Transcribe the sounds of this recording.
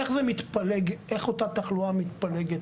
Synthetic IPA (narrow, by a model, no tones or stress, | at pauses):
eχzemit̪paleɡeχo̞tat̪aχluamit̪paleɡet